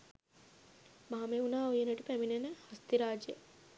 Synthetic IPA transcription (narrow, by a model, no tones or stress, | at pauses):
maɦameunaːojenəʈupæminenəhɐst̪iɾaːd͡ʒjḛ